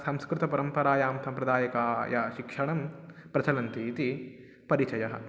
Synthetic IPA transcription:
sɐmskɾut̪ɐpɐɾɐmpɐɾaːjaːmsʰɐmpɾɐd̪aːjɐkaːjɐ̰ʃikʂɐɳɐmpɾɐt͡ʃɐlɐnt̪iːt̪i | pɐɾit͡ʃɐjɐɦɐ̰̆

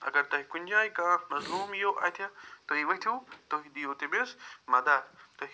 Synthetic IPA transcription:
ɐ̰ɡɐɾt̪ɐɦikʊɲʲd͡ʑaːikãːmɐzluːmijoʔa̰ːet̪ʰijat̪oːɦiʋɐit̪ʰijot̪oɦiɗ̪ijot̪ebesmaːd̪aːt̪ɐ

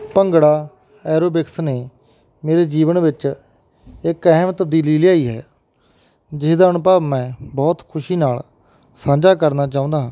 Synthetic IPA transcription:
pəŋɡɽaː | ɛːɾoːbɪksneː | meːɾeːd͡ʒiːʋənʋɪt͡ʃ | ɪkɛːmt̪əb̚d̪iːliːlɪjaːiːɦɛ̰ː | d͡ʒɪsd̪aːənʊpaːbmɛ̃ːbɔːt̪kʰʊʃiːnaːl | sãːd͡ʒaːkəɾnaːt͡ʃaːʊ̃nd̪aːɦː

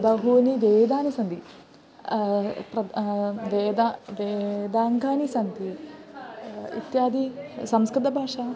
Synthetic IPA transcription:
bɐɦuːniʋeːd̪aːnisɐnt̪i | ɾɐʋeːd̪aʋeːd̪aːŋɡʱaːnisɐnt̪i | ḭt̪jaːd̪isɐmskɾɪt̪ɐbʱaːʂaː

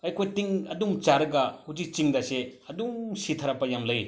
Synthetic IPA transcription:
ɐjkʰojtiŋɐdumt͡ʃaɾɯɡɐhud͡ʒik̚t͡ʃiŋdɐseɐdumsitʰɐɾɐpɐjamlɐj

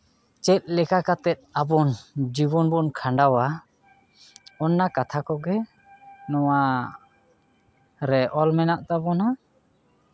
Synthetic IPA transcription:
t͡ʃɛt̪̚ˀlɛkakat̪ɛt̪̚ˀabɔnd͡ʒibɔnbɔnkʰaɳɖawa | ɔnːakat̪ʰakɔɡɛ | nɔwa | ɾɛʔɔlmɛnaʔt̪abɔna

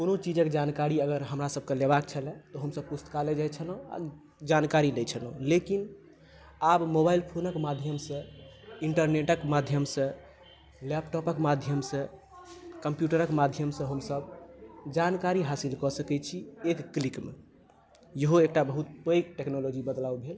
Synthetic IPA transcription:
konot͡ʃid͡ʒəkd͡ʒankaɾiəɡəɾɦəmɾasəb̚ʱkelebak̚t͡ʃʰəlɛ̃t̪ɔɦəmsəb̚pust̪ə̥kaled͡ʒajt͡ʃʰələ̃a̰ | d͡ʒankaɾilɛt͡ʃʰəlõlekin | abmobailpʰonəkmad̪ʱjəmsə̃iɳʈəɾneʈəkmad̪ʱjəmsə̃ | lɛpʈɔpəkmad̪ʱjəmsə̃ | kəmpjuʈəɾəkmad̪ʱjəmsə̃ɦəmsəbd͡ʒankaɾiɦasilkɔsəkɛt͡ʃʰiekːlikmḛ | jəɦoek̚ʈabəɦut̪̚pəjkʈeknolod͡ʒibəd̪laubʱel

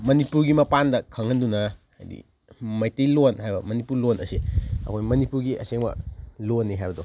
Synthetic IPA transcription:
mɐnipuɾɡimɐpandɐkʰɐŋːɐndunɐ | a̰jdḭ | mɐjtijlonɦajbɐmɐnipuɾlonʔɐsiɐ̰kʰojmɐnipuɾɡiʔɐ̰seŋmɐ̰lonːiɦajbɐdo

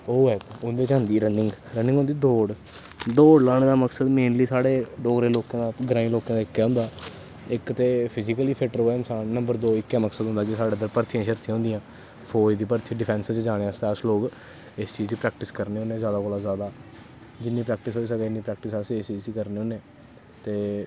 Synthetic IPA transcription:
oːɛʊnd̪eːt͡ʃaːnd̪iːɾənːɪ̃ŋɡɾənɪ̃ŋɦõnd̪iːd̪oːɽ | d̪oːɽlaːɽ̃eːd̪aːməksəd̪meːnliːsaːɽeːɖoːɡɾeːloːkãːd̪aːɡɾãːĩːloːkãːd̪aːɪkːɛːɦʊ̃nd̪aː | ɪkt̪eːpʰɪzikəliːpʰɪʈəɾoːɛɪnsaːnːəmbəɾd̪oːɪkːɛːməksəd̪ɦʊ̃nd̪aːkɪsaːɖeːd̪əɾpəɾt̪ʰijãːʃəɾt̪ʰĩɦʊ̃nd̪ijãː | pʰoːd̪iːpəɾt̪ʰĩːɖɪpʰɛ̃ːnsət͡ʃd͡ʒaːɽ̃east̪ɛːəsloːk | ɪst͡ʃiːziːpɾɛːk̚ʈɪskəɾneːɦoːneːzjaːd̪aːkoːlaːzjaːd̪aː | d͡ʒɪnːiːpɾɛːk̚ʈɪsɦoːiːs̬əɡɛːɪnːiːpɾɛːk̚ʈɪsasɪst͡ʃiːzd̪iːkəɾneːõːneː | t̪eː

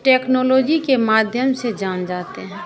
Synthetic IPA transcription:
ʈɛːknoːloːd͡ʒikemaːd̪ʱjəmsed͡ʒaːnd͡ʒaːt̪eɦɛ̃ː

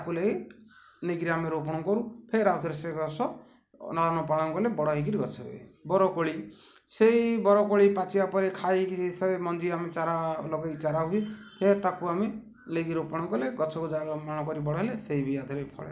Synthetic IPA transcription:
akuleɡe | neɡɾiameɾopɔɽ̃ɔkɔɾupʰeɾat̪ʰɔɾeseɡɔsɔ | nalanɔpaɽɔŋkɔlebɔɽɔɦeɡiɾiɡɔt͡ʃʰɔɦṵḛbɔɾɔkoɭi | sejbɔɾɔkoɭipat͡ʃiapɔɾekʰajkiisabemɔnd͡ʒiamet͡ʃaɾaloɡeit͡ʃaɾaɦuepʰeɾt̪akuame | leɡiɾopɔɽɔŋkɔleɡɔt͡ʃʰɔkud͡ʒamaɽ̃ɔkɔɾibɔɽɔɦelesejbijad̪ʱɔɾepʰɔ̰ɭḛ

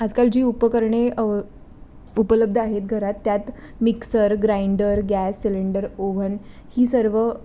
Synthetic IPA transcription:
ad͡zkald͡ʑiːupəkəɾɳe | upələb̚d̪ʱəaɦet̪̚ɡʱəɾat̪ːjat̪ | miksəɾɡɾaiɳɖəɾɡæsːiliɳɖəɾoʋən | hiːsəɾʋə

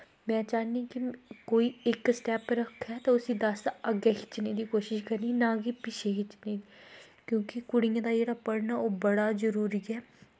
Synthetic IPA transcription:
mɛ̃ːt͡ʃaːnikɪkoːiːɪksʈɛːpɾəkʰɦɛːt̪ãːʊsĩːd̪əsəɡeːɦɪt͡ʃneːd̪iːkoːʃɪʃkəɾniːnãːɡipɪt͡ʃʰeːɦɪt͡ʃnei | kjõːkɪkʊɽɪjãːd̪aːd͡ʒeːɽaːpəɽnaːoːbəɽaːzəɾuːɾiːɛː

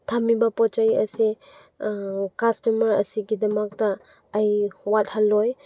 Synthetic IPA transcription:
tʰamibapɔt͡ʃajɐse | kastɔmɐɾɐ̰siɡidɐmak̚taː | jwat̚halːɔj

